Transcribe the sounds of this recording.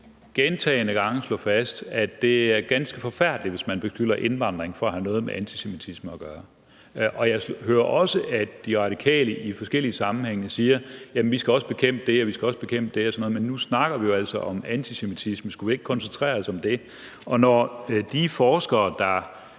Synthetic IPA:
ɡ̥ent͡sʰɛ̰ːɪnəɡ̥ɑ̈ŋ̰əslɔ̰ːfæsd̥æd̥e̝æɐɡ̥ænsɡ̥əfɒ̽fæɐ̰d̥liʋe̝smænb̥e̝sɡ̥yl̰ɐʔe̝nʋɑ̈n̰d̥ʁeŋfɒːhænɔ̽ːð̞̩ˠmḛʔænt͡sʰise̝mit͡sʰisməɒɡ̥ɶːɐ | ʔɒ̽jɑ̈ɪshøːɐʔɒ̽səʔæd̥iʁɑ̈d̥ikʰɛ̰ːləʔifɒ̽sɡ̥el̰iəsɑ̈mn̩heŋ̰əsiːɐjæmnʋisɡ̥æɒ̽səb̥e̝kʰem̰b̥əd̥e̝ɒʋisɡ̥æɒ̽səb̥e̝kʰem̰b̥əd̥e̝ɒsɒ̽nɔ̽ːð̩ˠmenːusnɑ̈ɡ̥ɐʋijo̝æl̰sɒʔɒ̽mænt͡sʰise̝mit͡sʰisməsɡ̥uʋie̝ɡ̥ə̥kʰɒ̽nsent͡sʰʁɛ̰ːɐsɒ̽md̥e̝ | ɒ̽nɒd̥ifɒːsɡ̥ɐːd̥ɑ̈

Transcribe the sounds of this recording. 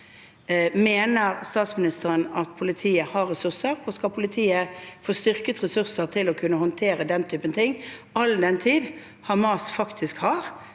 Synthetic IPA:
meːnəʁst̪ɑːt̪smɪnɪst̪əɾənɑt̪pʰʊlɪt̪ʰiːəhɑʁɾɛsʉʁsəʁɔskɑlpʰʊlɪt̪ʰiːəfoːst̪ʏʁkət̪ʁɛsʉʁsəʁt̪ʰɪlɔkʰʉnːəhɔnt̪ʰeːɾəd̪ɛnt̪ʰyːpənt̪ʰɪŋːɑld̪ɛnt̪ʰiːd̪ | hɑʁmɑːsfɑkt̪ʰɪskhɑʁ

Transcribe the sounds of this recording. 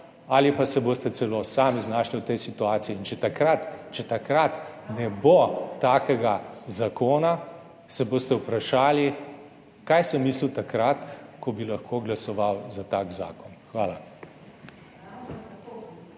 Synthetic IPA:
alipasɛboːst̪ɛtsɛloːsaːmiznaːʃliwt̪ɛjsit̪uaːt̪sijɛint͡ʃɛt̪akɾat̪t͡ʃɛt̪akɾat̪nɛbot̪aːkɛɡazakoːna | sɛboːst̪ɛwpɾaʃaːli | kajsɛmːiːsliwt̪akɾat̪kɔbilaxkʰoːɡlasɔʋawzat̪aːkza̰ːkɔnxʋaːla

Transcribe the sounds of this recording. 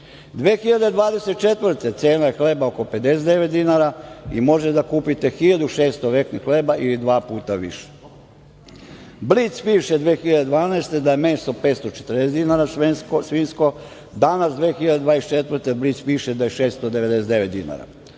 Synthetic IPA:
d̪ʋeːxiʎad̪ed̪ʋaːd̪eset̪̚t͡ʃe̞t̪ʋrɾt̪e̞t̪seːnajexlebaoko̞pe̞d̪e̞s̬ed̪eʋet̪̚d̪inaɾaimo̞ʒet̪ed̪akuːpit̪e̞xiʎad̪uʃeːst̪oʋeknixleːbaʔilid̪ʋaːpuːt̪aʋḭʃe̥ | bliːt̪spiːʃed̪ʋeːxiʎad̪ed̪ʋaːnaest̪ed̪ajeme̞ːst̪o̞peːt̪st̪ot͡ʃet̪r̩nes̬ed̪inaːɾasʋenskosʋiːnsko | d̪anasd̪ʋeːxiʎad̪ed̪ʋaːest͡ʃet̪ʋr̩t̪ebliːt̪spiːʃed̪ajeʃeːst̪od̪e̞ʋed̪e̞sed̪eʋet̪d̪ina̰ɾa̰

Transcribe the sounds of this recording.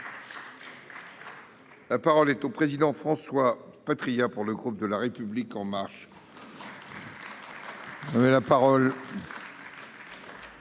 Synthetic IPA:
lapaʁɔlɛt̪opχezid̪ɑ̃fχɑ̃swapat̪χijapuʁləɡʁup̚d̪əlaʁepyblikɑ̃maʁʃ | vɛlapaʁɔl

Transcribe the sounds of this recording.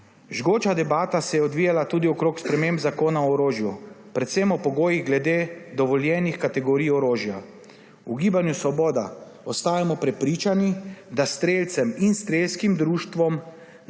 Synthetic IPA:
ʒɡoːt͡ʃad̪ɛbaːt̪asɛjɛɔd̪ʋiːjalat̪uːd̪iɔkɾoːkspɾɛmembzakoːnaɔːɾoːʒjupɾɛt̪semɔpɔɡoːjiɣɡlɛd̪eːd̪ɔʋɔljɛːnixkat̪ɛɡɔɾiːjɔɾoːʒja | uɡiːbanjusɔboːd̪a | ɔst̪aːjamɔpɾɛpɾiːt͡ʃanid̪ast̪ɾeːlt̪sɛminst̪ɾeːlskimd̪ɾuːʃt̪ʋɔm

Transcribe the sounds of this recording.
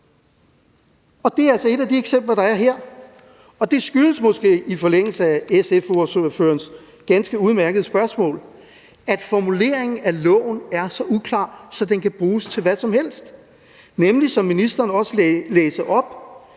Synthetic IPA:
ɒ̽d̥e̝æælsɒ̽e̝dæd̥ieɡ̥sem̰b̥lɐd̥ɑ̈æɐɦeɐ̰ | ɒ̽d̥e̝sɡ̥yləsmɔ̽sɡ̥e̝̰ːifɒ̽leŋ̰l̩səæesefosoføɐns | ɡ̥ænsɡ̥əuð̞ˠmæɐɡ̥əð̞̩ˠsb̥ɶɐsmɔ̰̽ːl | æd̥fɒmule̝̰ɐe̝ŋn̩ælɔ̰ʊn̩æɐsɒ̽ʔukʰlɑ̰̈ːsɒ̽d̥enkʰæb̥ʁuːst͡sʰe̝lʋæsɒ̽mhel̰sd̥ | nemlisɒ̽mːinisd̥ɐːnɒ̽səleːsəʔɒ̽b̥

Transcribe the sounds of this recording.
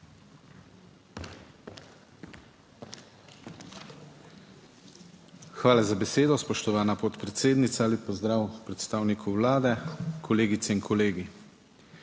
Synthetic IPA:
xʋaːlazabɛseːd̪ɔspɔʃt̪ɔʋaːnapɔt̪pɾɛt̪seːd̪nit̪saalipɔzd̪ɾaːwpɾɛt̪st̪aːwnikʰuwlaːd̪ɛkʰɔleːɡit̪sɛinkʰɔleːɡi

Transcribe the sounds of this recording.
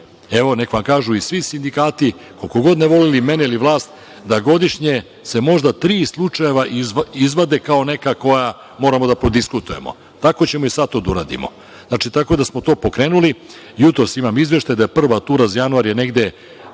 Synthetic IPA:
e̞ʋo̞nekoʋamkaːʒuisʋisind̪ikaːt̪i | kolkoɡo̞d̪neʋo̞lilime̞neiliʋlˠaːst̪ | d̪aɡo̞d̪iʃɲe̞ | se̞mo̞ʒd̪at̪ɾiːslˠut͡ʂaje̞ʋaʔizizʋad̪e̞kao̞ne̞kako̞ja | mo̞ːɾamo̞d̪apɾo̞d̪iskut̪uje̞̰mo̰ | t̪ako̞t͡ɕe̞mo̞isat̪od̪uɾa̰ːd̪ḭmo̞̰ | znaːt͡ʃit̪ako̞d̪asmo̞t̪o̞ːpo̞kɾe̞ːnuli | jut̪ɾo̞simamizʋje̞ʃt̪ajd̪ajepr̩ʋat̪uːɾazajanuaɾje̞ne̞ɡd̪e̞

